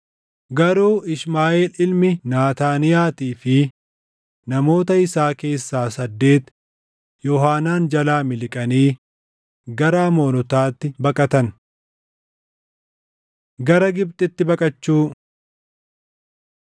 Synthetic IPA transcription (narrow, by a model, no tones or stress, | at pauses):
ɡɐɾuːɪsmaːʔeːlɪlmɪnaːt̪aːnɪjaːt̪iːfɪ | nɐmo̞ːt̪ɐɪsaːke̞ːsːaːsɐd̪ːe̞ːt̪ | jɔɦaːnaːnd͡ʒɐlaːmɪlɪkʼɐniː | ɡɐɾaːmo̞ːnɔt̪aːt̪ːɪbɐkʼɐt̪ɐn | ɡɐɾɐɡɪb̚t̪ʼɪt̪ːɪbɐkʼɐt͡ʃːuː